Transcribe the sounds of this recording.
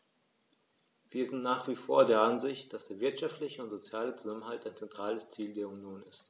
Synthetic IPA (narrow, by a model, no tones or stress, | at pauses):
v̥iːɐzɪntnaːχv̥iːfoːɐdeːɐʔanzɪçt̚d̥asd̥eːɐvɪɐtʃaftlɪçəʊntz̥ot͡sjaːlət͡suzamənɦaltaɪnt͡sɛntʁ̥aːləst͡siːldeːɐunjoːnɪst